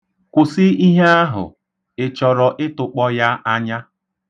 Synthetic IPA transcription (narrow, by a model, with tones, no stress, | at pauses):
kʷʊ˨sɪ˦i˦ɦe˦a˦ɦʊ̰˨ | ɪ˨t͡ʃɔ˨ɾɔ˨ʔɪ˦tʊ˨k͡pɔ˦ja˦ʔa˦ɲa˦